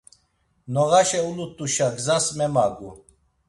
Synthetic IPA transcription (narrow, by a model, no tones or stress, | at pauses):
nɔʁaʃɛulut̪ʼuʃaɡzasmɛmaɡu